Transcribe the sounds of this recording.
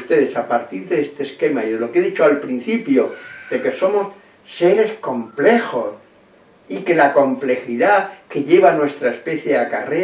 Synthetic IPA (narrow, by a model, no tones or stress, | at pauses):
st̪e̞ðesapaɾt̪iɾðeest̪e̞ːske̞maiðe̞lo̞keðit͡ʃoalpɾin̟θipjo̞d̪e̞ke̞so̞mo̞sː | e̞ɾe̞sko̞mple̞xo̞s | ike̞lako̞mple̞xiðake̞ʎe̞βanwe̞st̪ɾaespe̞θjeakare